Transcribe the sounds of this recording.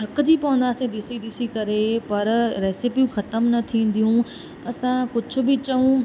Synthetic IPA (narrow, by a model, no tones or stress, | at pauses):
ɐkd͡ʑiːpɐʋə̃nd̪aːsẽɗ̪ɪsiɗ̪ɪsikɐɾepɐɾɾɛːsɪpijũxɐt̪əmnɐt̪ʰĩːn̆d̪ijũ | ɐsãkʊd͡ʑʱʊ̆bɪt͡ɕɐũ